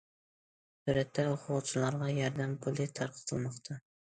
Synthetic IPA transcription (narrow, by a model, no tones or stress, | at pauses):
suɾɛt̪ʰːɛʊqʰʊʁt͡ʃʰilˠɑɾʁɑjɑɾd̪æmpʰʊlˠɪt̪ʰɑɾqʰə̥t̪ʰɨlˠmɑqt̪ʰɑ